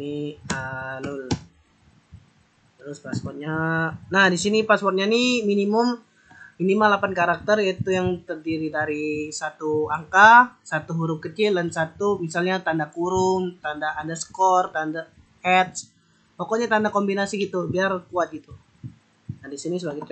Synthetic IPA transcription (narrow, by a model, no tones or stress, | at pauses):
niəlʊl | t̪əɾʊspaspɔr̚ɲanahdisinipaspɔrt̪̚ɲaniminimʊm | minimalapankaɾak̚t̪ərjait̪ujaŋt̪ərdiɾidaɾisat̪uaŋkasat̪uɦuɾʊp̚kət͡ʃɪldansat̪umisalɲat̪andakuɾʊmt̪andaːdasə̥kɔrt̪anda | hɛt̪̚s | pokoɲat̪andakombinasiɡit̪ubiarkuat̪̚ɡit̪u | nadisinisəbaɡɛt̪